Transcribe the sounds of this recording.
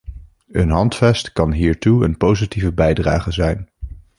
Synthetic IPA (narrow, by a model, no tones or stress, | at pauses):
ənɦɑntfɛstkɑnɦiːɹtuənpowzitivəbɛjdra̰ːχəzɛjn